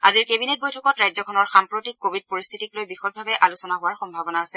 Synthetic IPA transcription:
aziɹkebinet̚bojtʰɔkɔtɹajzɔkʰɔnɔɹxampɹotik̚ːobʱid̚poɹist̪ʰitiklojbixɔt̚bʱabɛʔalusɔnaɦʊwaɹxɔmbʱabɔnaːsɛ

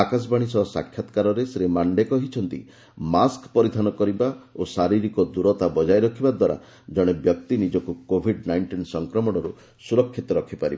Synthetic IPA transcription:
akas̬baɽ̃isɔsa̰kʰːjat̪kaɾɔɾesɾemaɳɖekɔɦit͡ʃʰɔn̪t̪ḭ | maskpɔɾid̪ʱanɔkɔɾibaosaɾiɾikɔd̪uɾɔt̪abɔd͡ʒajɾɔkʰibad̪waɾa̰ | d͡ʒɔɽ̃ebjɔkt̪inid͡ʒɔkukobʱiɖnajɳʈinsɔŋkɾɔmɔɽ̃ɔɾu | suɾɔkʰːit̪ɔɾɔkʰipaɾiba

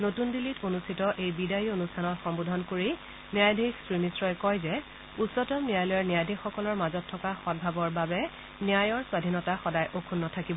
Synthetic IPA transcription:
notundilitonustʰitɔʔejbidajionustʰanɔtxɔmbudʱɔnkoɹi | niajdʱixsɹimisɹɔjkɔjzɛ | utsɔtɔmniajlɔjɔɹnijajdʱixxɔkɔlɔɹmazɔtʰːɔkaxɔd̚bʱabɔɹbabɛ | niajɔɹswadʱinɔtaxɔdajʔokʰunːɔtʰakibɔ

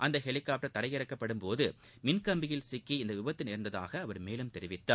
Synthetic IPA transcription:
ʔɐnd̪ɐhɛɭɪkːaːp̚ʈːɐt̪ɐɾɐɪjɪɾɐkːɐpːɐɽɯmpoːðɯ | mɪnkɐmbɪjɪlsɪkːiɪnd̪ɐʋɪbɐt̪ːɪnɪɾnd̪ɐða̰ːɣɐːʋɐɾmeːlɯmt̪ɛɾɪʋɪt̪ːa̰ː

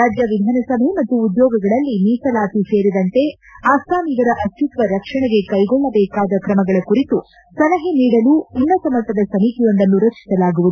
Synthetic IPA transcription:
aːd͡ʒjɐʋid̪ʱaːnɐsɐmɐɦemɐt̪ːuːd̪jɔːɡɐɡɐɭɐlːiniːsɐlaːsise̞ːɾid̪ɐnt̪e̞ | aːsaːmiɡɐɾɐʔɐst̪ut̪ʋɐɾɐkʂɐɳɛɡe̞kɐjɡɔɭːɐbɛːkaːd̪ɐkɾɐmɐɡɐɭɐkuɾit̪u | sɐlɐɦeniːɽɐluːinːɐsɐmɐt̪ɐd̪ɐsɐmiːk̪ijond̪ɐnːuɾɐkt͡ʃi̥sɐlaːɡuʋud̪uu

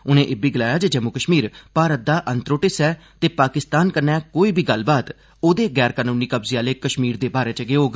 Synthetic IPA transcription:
ʊnẽːʔɪbiːɡɪlaːjaːd͡ʒed͡ʒɛmukəʃmiːɾpaːɾət̪̚d̪aːʔə̃nt̪ɾoːʈɪsɛːt̪eːpaːkɪst̪aːnkəɾnɛːkoːiːbʱiːɡəlbaːt̪ | oːd̪eːɡɛːɾkaːnũːniːkəbziːaːleːkəʃmiːɾd̪eːbaːɾeːt͡ʃəɡeːɦoːɡ

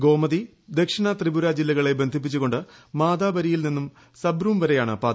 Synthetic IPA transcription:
ɡo̞ːmɐði | d̪e̞kʂɐɳɐt̪ribuɾad͡ʑilːɐɣɐɭe̞be̞nd̪ʱip̬ːit͡ɕːuɣo̞ɳɖɨmaːd̪aːbɐɾijilninːum | sɐbɾumʋɐɾejaːɳɨpaːt̪

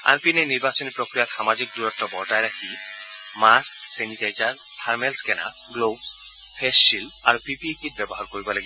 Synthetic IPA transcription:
a̰npinɛniɹbasɔnipɹɔkɹijatxamazik̚duɹɔtːɔbɔɹtajɹakʰi | masksɛnitajtaɹ | tʰaɹmɛlskɛna̰ | ɡlobs | pʰɛssil | aɹupipiekit̚bɛbɔɦaɹkoɹibɔlaɡibɔ

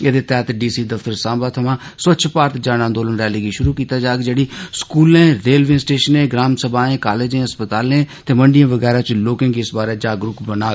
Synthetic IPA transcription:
eːd̪eːt̪ɛːt̪ɖiːsiːd̪əft̪əɾsãːbaːt̪ʰəmãːsətːʃʰpaːɾt̪d͡ʒaːɽãːnd̪oːlənɾɛːliːɡiːʃʊɾuːkiːt̪aːd͡ʒaːɡd͡ʒeːɽiːskuːlẽːɾeːlʋɪ̃sʈeːʃənẽːɡɾaːmsəbãːẽːkaːleːd͡ʒẽːəspət̪aːlẽːt̪eːməɳɖɪjãːʋəɡɛːɾaːt͡ʃloːkɪ̃ŋɡɪsbaːɾeːd͡ʒaːɡɾʊpbənaː

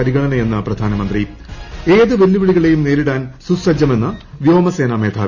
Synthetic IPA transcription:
ɐɾiɣɐɳɐnɐe̞nːɐprɐd̪ʱaːnɐmɐnd̪ri | e̞ːðɨʋelːuʋiɭiɣɐɭe̞jumneːɾiɽaːnsusɐd͡ʑːɐme̞nːɐʋjo̞ːmɐse̞ːname̞ːd̪ʱʰaː

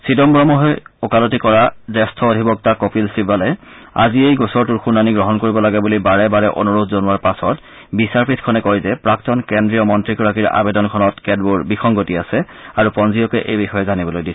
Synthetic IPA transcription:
sidɔmbɹɔmɔɦɔjɔkalɔtikɔɹadɛstʰɔodʱibɔk̚takopilsibalɛa̰ziejɡɔsɔɹtuɹxunaniɡɹɔɦɔnkoɹibɔlaɡɛbulibaɹɛbaɹɛʔo̰nuɹutʰzonuwaɹpasɔt | bisaɹpʰitʰkʰɔnɛkɔjzɛpɹaktɔnkendɹijɔmɔntɹikɔɹakiɹa̰bedɔnkʰɔnɔtkɛdbuɹbixʰɔŋɡotiasɛ | aɹupɔnziɔkɛʔejbixɔjɛzanibɔlojdisɛ

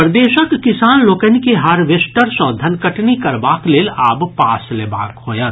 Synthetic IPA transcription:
pɾd̪eːʃəkːɪsaːnloːkənkeɦaːɾʋesʈəɾsɔ̃ːd̪ʱɐnkəʈnikɐɾbaːkleːlaːbpaːsleːba̰ːkɦoːjə

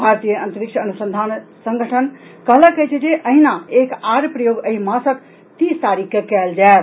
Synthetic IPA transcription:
bʱaɾt̪ijəə̃nt̪əɾikʃʰəːnusənd̪ʱansəŋɡʱəʈʰənkəɦləkət͡ʃʰɛd͡ʒeʔəɦinaekaɾpɾəjoɡəɦimãsək | t̪ist̪aɾikːekɛld͡ʒae

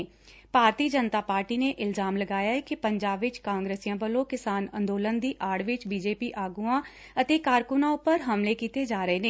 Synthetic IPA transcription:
paːɾt̪iːd͡ʒənt̪aːpaːɾʈiːneːʔɪlzaːmləɡaːjaːɛːkɪpəɲd͡ʒaːbʋɪt͡ʃkãːŋɡɾeːsijãːbəlõːkɪsaːnə̰̃nd̪oːlənd̪iːʔaːɽʋɪt͡ʃbiːd͡ʒeːpiːʔaːɡuːãː | ət̪eːkaːɾkʊnãːʊpəɾɦəmleːkiːt̪eːd͡ʒaːɾəeːneː

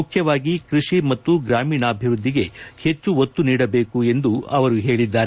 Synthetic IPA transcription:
ukʰjɐʋaːɡikɾiʂimɐt̪ːuɡɾaːmiːɳɐːbʱiʋɾud̪ʱːiɡe̞he̞t͡ʃːuot̪ːuniːɽɐbe̞ːkue̞nd̪uɐʋɐɾuɦe̞ːɭid̪ːaːɾe

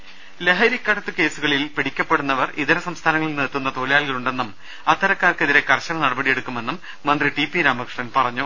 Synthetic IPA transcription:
leɦɐɾjikʲːɐɽɐt̪ːuke̞ːsuɣɐɭilpiɽikʲːɐpːe̞ɽunːɐʋɐriðɐɾɐsɐmst̪ʰaːnɐŋɐɭiniːt̪ːunːɐt̪oːlijaːɭɣɐluɳɖe̞nːum | ɐt̪ːɐɾɐkːaːrkeðiɾe̞kɐrɕɐmɐnɐɽɐbɐɽije̞ɽukːume̞nːumːɐnd̪riʈipːiɾaːmɐkʂɳɐnpɐrɐɲːu

